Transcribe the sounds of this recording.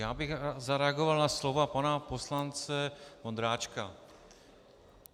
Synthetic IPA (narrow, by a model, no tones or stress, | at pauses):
jaːbɪɣzaɾɛaɡovalnaslovapanaposlant͡sɛmond̪ɾaːt͡ʃka